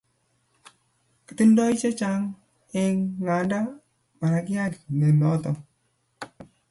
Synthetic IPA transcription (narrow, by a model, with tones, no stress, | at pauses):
kɪ̥˨ti˦ndɔ˦i˦t͡ʃe˦t͡ʃa˦ŋ | e˦ŋːa˨nda˦ | ma˨ɾa˨ɡɪ˦a˦dne˨nɔ˨˦t̪ɔ˨